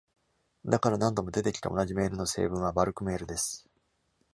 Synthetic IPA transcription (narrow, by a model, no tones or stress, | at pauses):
d̪akaɾanãnd̪o̞mo̞d̪e̞t̪e̞kʲi̥t̪aonaʑime̞ːɾɯ̟no̞se̞̰ːbɯ̃ɰ̃β̞abaɾɯ̟kɯ̟me̞ːɾɯ̟d̪e̞sɨ̥